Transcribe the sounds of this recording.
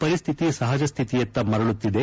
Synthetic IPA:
pɐɾist̪ʰit̪isɐɦɐd͡ʒɐst̪ʰit̪ijɐt̪ːɐmɐɾɐɭut̪ːid̪e

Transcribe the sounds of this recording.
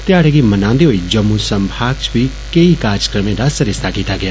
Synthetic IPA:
t̪jaːɽeɡimɐnãːnd̪iɦoːid͡ʒɐmːusɐmbʱaːɡ̚t͡ʃʋi | keikaːɾd͡ʒəkɾəmẽd̪asɐɾɪst̪ʰakiːt̪aɡɪjaː

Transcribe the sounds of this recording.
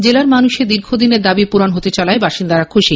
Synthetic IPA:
d͡ʑelaɾmanuʃed̪iɾɡʱod̪ineɾd̪abipuɾanɦot̪et͡ɕalaebaʃind̪aɾakʰːoʃi

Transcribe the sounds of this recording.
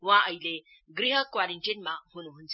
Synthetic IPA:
ʋãʔəjle | ɡɾiɦəkʋaɾeɳʈinmaɦunuɦunt͡s

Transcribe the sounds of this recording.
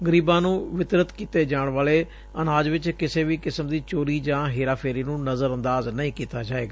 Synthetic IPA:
ɡəɾiːbãːnũːʋɪt̪ɾət̪kiːt̪eːd͡ʒaːɳʋaːleː | ənaːd͡ʒʋɪt͡ʃkɪseːʋiːkɪsəmd̪iːt͡ʃoːɾiːd͡ʒãːɦeːɾaːpʰeːɾiːnũːnəzəɾənd̪aːznəĩːkiːt̪aːd͡ʒaːeːɡaː

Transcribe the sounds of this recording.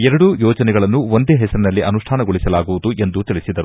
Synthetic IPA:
ɛɾɐɽujɔːd͡ʒɐnɛɡɐɭɐnːuond̪eɦɛsɐɾinɐlːiʔɐnuʂʈʰaːnɐɡoɭisɐlaːɡuʋud̪uʔe̞nd̪ut̪ilisid̪ɐɾu

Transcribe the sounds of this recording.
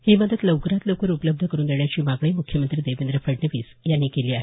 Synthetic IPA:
hiːməd̪əd̪ləwkɾat̪ləwkəɾupələb̚d̪ʱəkəɾuːnd̪eɳjat͡ɕiːmaɡɭiːmukʰjəmənt̪ɾiːd̪eʋend̪ɾəfəɽnəʋiːsjanːiːkeliːaɦe

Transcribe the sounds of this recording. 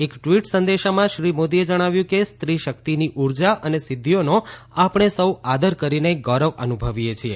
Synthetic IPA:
ekʈʋiʈsənd̪eʃamãʃɾimod̪ied͡ʒəɽ̃aʋjũkest̪ɾiʃəkt̪iniʔuɾd͡ʒaʔənesɪd̪ʱːijono | apɳ̃esəwad̪əɾkəɾineɡɔɾəʋə̰nubʱəʋijet͡ʃʰie

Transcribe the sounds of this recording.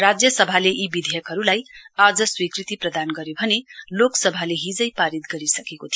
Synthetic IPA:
rad͡zjʌsʌbʱaleʔibid̪ʱejʌkɦʌɾulajad͡zʌswikrit̪iprʌd̪anɡʌɾjobʱʌneloksʌbʱaleɦid͡zʌjpaɾit̪ɡʌɾisʌkekot̪ʰijo

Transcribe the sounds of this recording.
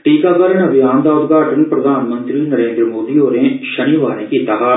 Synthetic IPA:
ʈiːkaːkəɾənəbɪjaːnd̪aːʊd̪ɡaːʈənpɾəd̪ʱaːnmənt̪ɾiːnəɾẽːnd̪ɾəmoːd̪iːoːɾẽːʃəniʋaːɾẽːkiːt̪aːɦaː

